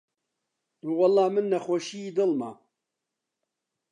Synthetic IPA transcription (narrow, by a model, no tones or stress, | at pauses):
nuwɐlːɑːmɨnːɐxoʃiːd̪ɨlma